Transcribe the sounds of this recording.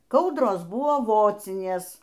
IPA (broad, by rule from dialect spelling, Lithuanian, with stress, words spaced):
ˈkɐʊdroːs ˈbʊʋoː ˈʋoːt͡sʲɪnʲeːs